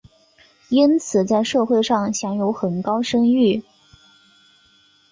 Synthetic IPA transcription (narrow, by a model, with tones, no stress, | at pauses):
i˥nt͡sʰɹ̩˨˩t͡sa˥˧ɪʂɤ˥˧xwe˥˧ɪʂɑ˥˩ŋɕjɑ˧˥ŋjo˧˥ʊxə˨˩nkɑ˥ʊʂɤ˥ŋy˥˩